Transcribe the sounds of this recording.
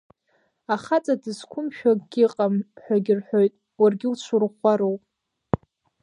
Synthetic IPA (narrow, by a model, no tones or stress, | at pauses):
aχat͡sʼadɨzkʷʰʊmʃᶣaɡ̥ʲɪqʼamħʷᶣaɡʲɪrħʷᶣo̞jtʼ | warɡʲɪut͡ʃʷʰʊrχʷaɾowpʼ